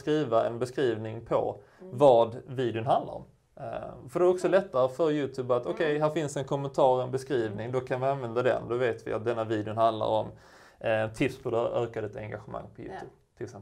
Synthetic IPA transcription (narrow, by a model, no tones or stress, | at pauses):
skɾiːvaɛnbɛskɾiːvnɪŋpʰɔ̰ | vɑːd̪viːd̪ɪənɦand̪la̰ɾɔ̰m | fœɖ̪ɛɾɔksɔlɛt̪ːaɾəfœɾjʉ̟ːt̪ʰʉːbat̪ɔkʰɛjɦæːɾfɪnsd̪ɛnkʰɔmːɛnt̪ʰɑːɾɛnbɛskɾiːvnɪŋd̪ɔkʰanvɪanvɛnd̪ad̪ɛ̰nd̪ɔveːt̪vɪ̰a̰t̪̚d̪ɛnːaviːd̪ɪʊnhand̪la̰ɾɔm | t̪ʰɪpspʰɔd̪ɛʔøːkad̪ət̪ɛ̰ŋɡaɧəma̰ŋːpʰɔjʉ̰ːt̪ʰʉːb̥̚ | t̪ʰɪlɪksɛm